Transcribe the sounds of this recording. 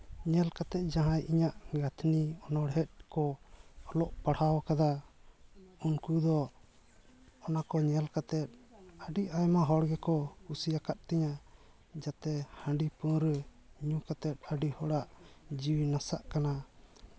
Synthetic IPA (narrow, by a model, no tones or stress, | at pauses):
ɲɛlkat̪ɛt̪̚ˀd͡ʒaɦãjʔiɲaʔɡat̪ʰniɔnɔɽɦɛt̪̚kɔɔlɔʔpaɽhawkad̪a | unkud̪ɔ | ɔnakɔɲɛlkat̪ɛt̪̚ˀəɖiajmaɦɔɽɡɛkɔkusijakat̪̚t̪ɛɲa | d͡ʒat̪ɛhãɳɖipɔɾɲukat̪ɛt̪̚ˀəɖihɔɽaʔd͡ʒiwinasaʔkana